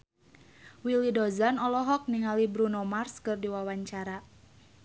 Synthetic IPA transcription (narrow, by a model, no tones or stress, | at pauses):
wilidɔzanɔlɔɦɔk̚niŋalibɾunomarskɨrdiwawaɲt͡ʃaɾa